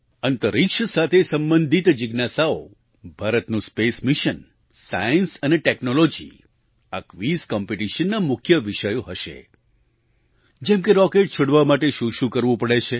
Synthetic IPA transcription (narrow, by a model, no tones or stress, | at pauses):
ənt̪əɾikʃəsat̪ʰesəmbənd̪ʱit̪d͡ʒɪɡnasao̰ | bʱaɾət̪nũspesmiʃən | sajənsəneʈeknolod͡ʒḭ | akʋizkɔmpeʈiʃənːamʊkʰjəʋiʃəjoɦəʃḛ | d͡ʒɛmkeɾɔkeʈ̚t͡ʃʰoɽʋamaʈeʃũʃũkəɾʋũpəɽet͡ʃʰe